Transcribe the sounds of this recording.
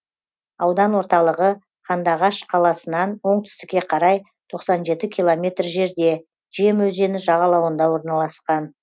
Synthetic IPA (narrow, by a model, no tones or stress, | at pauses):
ɑwd̪ɑnwo̞ɾt̪ɑlˠəʁə | qʰɑnd̪ɑʁɑʃqʰɑlˠɑsənɑnwo̞ɴt̪ʰʏ̥st̪ɪkʲːe̞qʰɑɾɑj | t̪ʰo̞qsɑnʒe̞t̪ɪkʲʰilˠo̞mʲe̞t̪rʒe̞ɾd̪e̞ | ʒijemwɵze̞nɪʒɑʁɑlˠɑwənd̪ɑwo̞ɾnɑlˠɑsqɑn